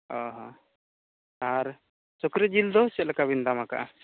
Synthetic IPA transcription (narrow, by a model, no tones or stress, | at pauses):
ɔɦɔ̃ | aɾ | sɔkɾɛd͡ʒild̪ɔsɛʔlɛkaβind̪amaka̰ʔa